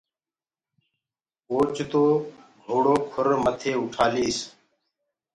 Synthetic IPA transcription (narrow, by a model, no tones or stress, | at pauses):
oːt͡ʃt̪oːɡʱoːɽoːkʰʊɾmət̪ʰeːʊʈʰaːliːs